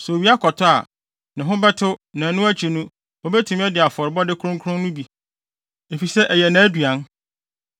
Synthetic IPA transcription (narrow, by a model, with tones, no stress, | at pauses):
sɛ˨o˨wi˦a˦kʰɔ˨tʰʊ˦a̰˨ | nɪ̃˨ɦʊ̃˦bɛ˦tʰʊ˦nã˨nʊ̃˦æ˦t͡ɕʰi˨nũ˦ | o˦bɛ˦tʰũ˨m˦ɛ˦dɪ˨a˨fɔ˨ɾbɔ˦dɪ˦kʰɾʊ̃˦ŋkʰʊ˦ɾʊ̃˦nnʊ̃˦bi˦ | e˨fi˨sɛ˦ʔɛ˨jɛ˨nã˨æ˦du˨a˦n